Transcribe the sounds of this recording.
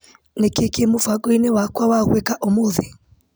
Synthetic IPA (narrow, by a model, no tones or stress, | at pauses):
nekekemofaɣoinewakwawaɣekaʔomoðe